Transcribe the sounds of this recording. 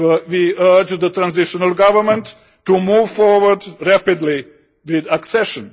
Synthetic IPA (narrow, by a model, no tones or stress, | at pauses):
ʋiəɾd͡ʒd̪ətɾãnzɪʃənəlɡʌʋəɾmə̃nʈ | ʈːumuːʋfɔːɾʋəɾɖɾæpɪdli | ʋɪd̪əksɛʃə̃n